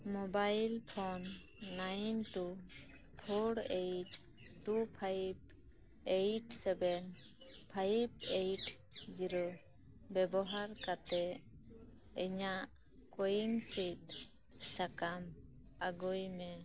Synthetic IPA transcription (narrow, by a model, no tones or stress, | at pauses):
mɔbajlpʰɔnː | ajnʈu | pʰɔɽejʈ | ʈupʰajb | ejʈsɛbɛn | pʰajbejʈ | d͡ʒiɾɔ | bɛbɔɦaɾkat̪ɛ | ɛɲaʔ | kɔjiŋsit̪̚ | sakam | aɡujmɛ